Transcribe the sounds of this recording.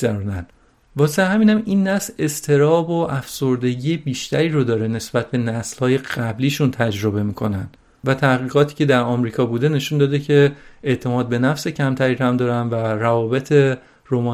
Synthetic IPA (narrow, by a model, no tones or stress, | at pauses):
æɾuːnæn | vɒːseɦæmiːnæminːæsle̞st̪ʰe̞ɾɒːbo̞ʔæfso̞ɾd̪e̞ɟiːjebiːʃt̪ʰæɾiːɾod̪ɒːɾe̞ne̞sb̥æt̪̚ʰbe̞næslhɒːje̞ɣ̥æbliːʃunt̪ʰæd͡ʒɾo̞be̞miːkʰo̞nænd̪̥ | væt̪ʰæhɣiːɣɒːt̪ʰiːcʰe̞d̪æɾɒːmɾiːkʰɒːbuːd̪e̞ne̞ʃund̪ɒːd̪e̞cʰe̞eʔt̪ʰe̞mɒːd̪̚be̞næfse̞cʰæmt̪ʰæɾiːɾæmd̪ɒːɾænværævɒːbe̞t̪ʰe̞ | romɒː